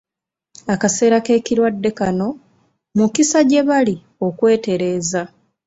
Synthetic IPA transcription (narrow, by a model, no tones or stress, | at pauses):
akase̞ːɾake̞ːciɾwadːe̞kano̞ | mukisaɟe̞βali | o̞kwe̞ːte̞ɾe̞ːza